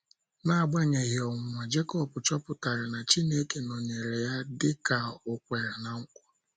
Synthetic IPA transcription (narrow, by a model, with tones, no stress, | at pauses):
na˦a˨ɡ͡ba˦ɲe˨ɣɪ˨ɔ˨ŋ̩˨mʷa˨d͡ʒe˦kɔ˦pʊ˨t͡ʃɔ˦pʊ˨ta˨ɾɪ˨na˨t͡ʃi˦ne˦ke˨no˨ɲe˨ɾe˨ja˦dɪ˦ka˨ʊ˨kʷe˨ɾe˨na˨ŋ̩˦kʷɔ˦